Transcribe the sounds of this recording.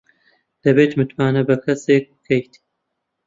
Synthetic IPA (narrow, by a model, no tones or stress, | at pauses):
d̪̥ɐbeːt̪mɨt̪maːnɐbɐkʰɐseːk̚kʰːɐjt̪i